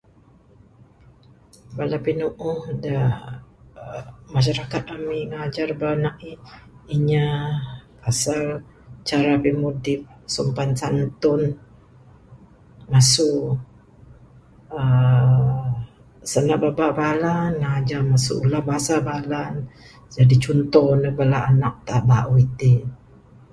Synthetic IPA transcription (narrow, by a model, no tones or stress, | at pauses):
balapinuʔʊhda | maʃ̬aɾakat̪̚amiŋad͡ʒarbanaʔiiɲa | pasal | t͡ʃaɾapimudɪp̚sumpansant̪ʊn | masuʔ | ə | sənaʔbabaʔbalanŋad͡ʒarmasṵʔulahbasabalan | d͡ʒadit͡ʃunt̪ɔhnəbəlaanak̚t̪aʔbaʔuit̪i